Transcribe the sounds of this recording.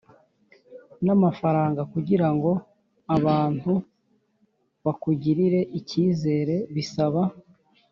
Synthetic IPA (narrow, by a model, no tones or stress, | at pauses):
namafaɾaːŋɡakuɟiɾaŋɡo̞ | aβaːn̥hu | βakuɟiɾiɾe̞ʔiciːze̞ːɾe̞βisaβa